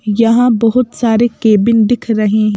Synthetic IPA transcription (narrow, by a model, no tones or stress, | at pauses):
jɐɦãbɐɦʊt̪saːɾekeːbɪnd̪ɪkʰɾɐɦeɦɛ̃ː